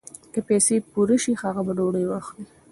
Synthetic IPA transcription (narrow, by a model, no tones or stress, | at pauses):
kapɛsepuɾəʃixaɣabaɖoɽəjwaxli